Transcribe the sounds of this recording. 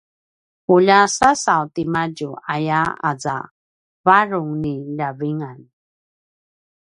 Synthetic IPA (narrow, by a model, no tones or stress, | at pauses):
uʎasasawtimad͡ʒuajaa̰d͡za̰ | vaɾʊŋniʎaviŋan